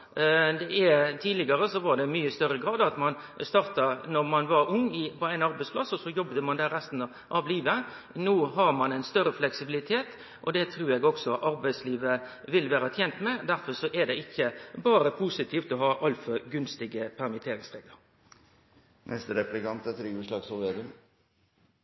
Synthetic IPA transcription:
d̪ɛɛt̪ʰiːdlɪɡɑɾəsɔʋɑɾɖ̪ɛmyːəst̪œɾəɡɾɑːd̪ɑt̪mɑnst̪ɑɾt̪ɑnɔɾmɑnʋɑɾʊŋːɪpɔæɪnɑɾbæɪspʰlɑsɔsɔjɔbd̪əmɑnd̪ɛɾæst̪n | ʔɑʋliːʋə | noːɦɑɾmɑnæɪnst̪œɾəflɛksɪbɪlɪt̪ʰeːt̪ | ʔɔd̪ɛt̪ʰɾuːɾɛɡɔksɔʔɑɾbæɪsliːʋə | ʋɪlʋæːɾət̪ʰjɛnt̪mɛd̪æɾfɔɾsɔʔɛd̪ɛɪçːəbɑːɾəpʰusɪt̪ʰiːft̪ɔɦɑːʔɑlfɔɡʉnst̪ɪɡəpʰæɾmɪt̪ʰeːɾɪŋsʁeːɡləɾ | nʔɛst̪ɾɛplɪkɑnt̪ət̪ʰɾiːʉːʂlɑːɡsɔlʋed̪ən

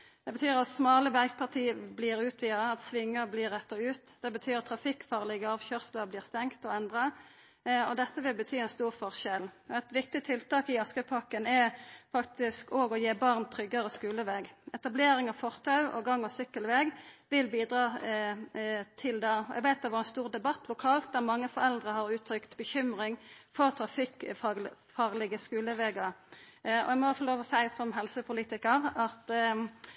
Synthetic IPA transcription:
d̪̥ɛbət̪ʰyːʁɑt̪smɑːləʋɛɡpʰɑʁt̪ʰiːəbliːʁʉːt̪ʰʋiːəɑt̪sʋɪŋːəʁbliːʁːɛt̪ːɑʉːt̪d̪̥ɛbət̪ʰyːɾɑt̪ʰːɾɑfɪkːfɑːʁlɪɡəɑːʋçœːʁsləʁbliːʁst̪ɛŋkt̪ɔɛnd̪ʁɑ | ɔd̪ɛt̪ːəʋɪlbət̪ʰyːɛnst̪uːʁfɔʁʃɛlɛt̪ʋɪk̚t̪ɪt̪ʰɪlt̪ɑːkɪɑskəpʰɑkənɛɾfɑkt̪ɪskoːɡɔjeːbɑʁnt̪ʰɾʏɡːɑʁəskʉːləʋɛɡɛt̪ɑbleːɾɪŋɑʋfɔʁt̪ʰɑʉʔɔ̰ɡɑŋːɔsʏkːəlʋɛɡʋɪlbiːd̪ʁɑː | t̪ʰɪld̪ɑʔɛ̰ɡʋæɪt̪̚d̪ɛʋɑʁɛnst̪uːʁd̪ɛbɑt̪ːʰlʊkʰɑːlt̪̚d̪æʁmɑŋːəfɔʁɛld̪ʁəhɑʁʉːt̪ʰɾʏkt̪bəçʏmʁɪŋfɔʁt̪ʰɾɑfɪk | fɑːʁlɪɡəskʉːləʋɛɡɑʁɔ̰ɛɡmɔfɔloːʋɔsæɪsɔmɦɛlsəpʰʊliːt̪ɪkəʁɑt̪

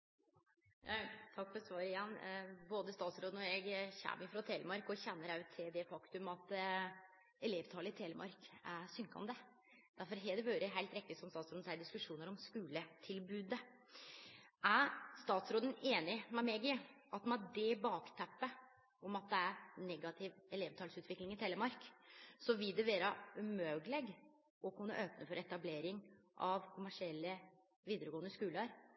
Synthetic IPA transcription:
jɑt̪ʰɑkːfɔɾsʋɑːɾəɪjɛnːboːd̪əst̪ɑːt̪sɾoːd̪ənɔɛɡçæ̰ːmɪfɾɑt̪ʰeːləmɑɾkɔçɛnːəɾɑʉt̪ʰːɪld̪ɛfɑkt̪ʉmɑt̪ | ɛleːʋt̪ʰɑːləɪt̪ʰeːləmʔɑ̰ɾkæsʏŋkɑ̰nd̪ə | d̪æɾfɔɾɦɛːd̪ɛʋøːɾəɦæɪt̪ɾɛkt̪ɪsɔmst̪ɑːt̪sɾoːd̪nsæɪd̪ɪskʉʂuːnəɾɔmskʉːlət̪ʰɪlbʉːd̪ə | ʔæɾst̪ɑːt̪sɾoːd̪əneːnɪmɛmeɡɪʔɑt̪mɑd̪ɛbɑːkt̪ʰæpːə | ɔmɑt̪̚d̪ɛæɾnɛɡɑt̪ʰɪʋɛleːʋt̪ʰɑːlsʉːt̪ʋɪklɪŋɪt̪ʰɛːləɾmɑɾksɔʋɪld̪ɛʋeːɾɑʉmøːɡlɛɡ | ɔkʰʉnːə̰ʔøːpnəfɔɾɛt̪ɑbleːɾɪŋʔɑʋkʰʊmæʂɪɛlːə | ʋiːd̪əɾəɡoːənəskʉːləɾ

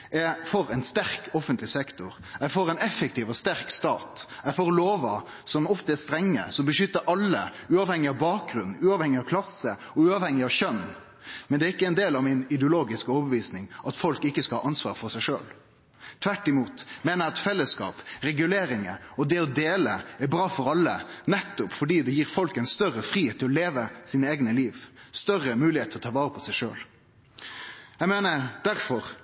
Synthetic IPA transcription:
ɛfɔɾɛɪnst̪æɾkɔfənt̪lɪsɛkt̪ʊɾ | ɛfoːɾɛɪnɛfək̚t̪iːʋɔst̪æɾkst̪ɑːt̪æfoːɾloːʋə | sɔmɔft̪əæst̪ɾɛŋːə̰sɔmbəʂʏt̪ːəɾʔɑlːə̰ | ʉːɑʋhɛŋɪɑʋbɑːk̚ɡɾʉnn̩ʉːɑʋhɛŋɪɑʋkʰlɑsːə | ɔʉːɑʋhɛŋɪɑʋʃœn | mɛnd̪ɛæɾɪkːəɛnd̪eːlɑʋmɪnɪd̪ɛʊloːɡɪskəɔbəʋiːsnɪŋʔɑt̪fɔlkɪkːəskɑhɑ̰ːʔɑnsʋɑ̰ːʁfɔɾsæɪʂø̰ːl | t̪ʰʋæʈːɪmuːt̪meːnəjæɑt̪fɛlːəskɑ̰ːpɾɛɡʉleːɾɪŋəɔd̪ɛɔd̪eːləæɾbɾɑːfɔɾɑlːə̰nɛt̪ːʊpfɔɖiːd̪ɛjiːɾfɔlkənst̪œrəfɾiːheːt̪ʰːɪlɔleːʋəsiːnəeːɡnəliːʋst̪œrəmʉːlɪheːt̪ʰəlɔt̪ʰɑːʋɑːɾəpʰɔsæɪʂø̰ːl | jæɪmeːnəd̪æɾfɔʁ

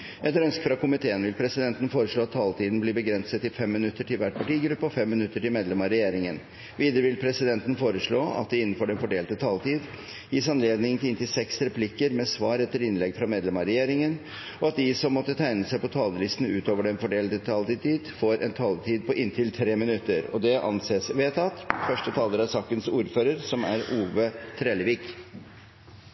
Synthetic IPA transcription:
ʔɛt̪ːɾœnskəfɾɑkʊmɪt̪ʰeːənʋɪlpʰɾɛsɪd̪ɛnt̪n̩foːɾəʂɭoːɑt̪ʰːɑːlt̪ʰiːd̪n̩bliːbəɡɾɛnsət̪ɪfɛmːɪnʉt̪ːəʈʰɪlʋæʈ̚pʰɑʈiːɡɾʉpːəɔfɛmːɪnʉt̪ːəʈɪlmeːd̪lɛmɑɾɛjeːɾɪŋən | ʋiːd̪əɾəʋɪlpʰɾɛsɪd̪ɛnt̪ən̩foːɾəʂɭoːɑ̰t̪̚d̪ɛɪnːn̩føːɖɛnfɔɖeːlt̪ət̪ʰɑːlt̪iːd̪ | jiːsɑnleːd̪nɪŋt̪ʰɪlɪnt̪ɪsɛksɾɛpʰlɪkəɾmɛsʋɑːɾɛt̪ːəɾɪnlɛɡfɾɑmeːd̪lɛmɑɾɛjeːɾɪŋən | ɔɑt̪̚d̪ɪsɔmːɔt̪ːət̪ʰæɪnəsæɪpɔt̪ʰɑːləlɪst̪n̩ʉ̰ːt̪oːʋəɖɛnfɔɖeːlt̪ət̪ʰɑːlt̪t̪iːd̪foːɾʔɛ̰nt̪ʰɑːlt̪ʰiːd̪̚pɔʔɪnt̪ʰɪlt̪ʰɾeːmɪnʉt̪ːəɾɔ̰d̪ɛʔɑ̰nseːsʋeːt̪ʰɑt̪ːfœʂʈət̪ʰɑːləɾæɾsɑːkənsuːɾføːɾəɾsɔmæ̰ɾuːʋət̪ʰɾeːləʋiːk

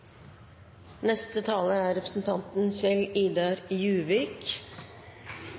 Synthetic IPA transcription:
nɛst̪ət̪ʰɑːləæːɾɛpɾəsn̩t̪ʰɑnt̪n̩sɛliːd̪ɑɾjʉːʋɪk

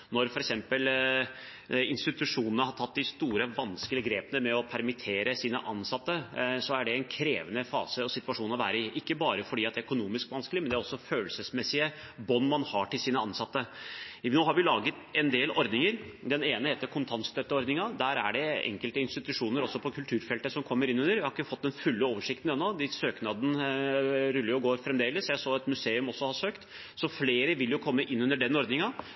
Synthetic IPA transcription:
nɔɾfɔɾɛksɛmpəl | ɪnst̪ɪt̪ʉʂuːnənəhɑʈ̪ʰɑt̪̚ːd̪ɪst̪uːɾəʋɑnskəlɪəɡɾeːpənəmɛɔpʰæɾmɪt̪ʰeːɾəsiːnə̰ʔɑnsɑt̪ːəsɔæɖɛɛnkʰɾeːʋənəfɑ̰ːsəɔsɪt̪ʉɑʂuːnɔʋæ̰ːɾəɪʔɪkːəbɑːɾəfɔɖiːɑt̪d̪æɾœkʊnuːmɪskʋɑnskəlɪmɛnd̪æɾɔsːɔføːlsəsmɛsːɪəbɔnːmɑnhɑʈɪlsiːnəɑnsɑt̪ːə | oːhɑɾʋɪlɑːɡət̪ɛnd̪eːlɔɾd̪nɪŋəɾd̪ɛneːnəheːt̪ːəɾkʰʊnt̪ʰɑnst̪œt̪ːəɔɾd̪nɪŋɑd̪æːɾæ̰ɖɛɛ̰ŋkəlt̪əɪnst̪ɪt̪ʉʂuːnəɾɔsːɔpʰɔkʰʉlt̪ʰʉːɾfɛlt̪əsɔmkʰɔmːəɾɪnʉnəɾʋɪhɑɾɪkːəfɔt̪̚ːd̪ɛnfʉlːəoːʋəʂɪk̚t̪nɛnːɔd̪ɪsøːknɑd̪n̩ | ɾʉlːəɾjʊɡoːɾfɾɛmd̪eːləsːjæɪsoːɛt̪mʉseːʉmɔsːɔhɑʂøːkt̪ | sɔfleːɾəʋɪljʊkʰɔmːəʔɪnʉnːəɖɛnːɔɾd̪nɪŋɑ

